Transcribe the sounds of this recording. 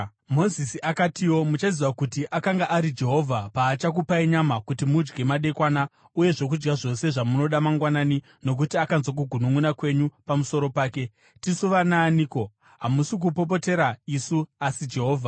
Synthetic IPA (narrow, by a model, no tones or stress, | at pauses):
mo̞zisiʔakatiwo̞mut͡ʃaziwakutiʔakaŋɡaʔaɾid͡ʒe̞ɦo̞vʱapaːt͡ʃak̬upaiɲamakutimud͡ʒɡe̞maɗe̞kwana | uje̞ʐo̞k̬ud͡ʒɡaʐo̞se̞ʐamuno̞ɗamaŋɡwanani | no̞k̬utiakanzwak̬uɡʱunuŋunakwe̞ɲupamuso̞ɾo̞paːke̞ | tisuʋanaːniːko̞ | ɦamusik̬upo̞po̞te̞ɾaisuasid͡ʒe̞ɦo̞ːvʱa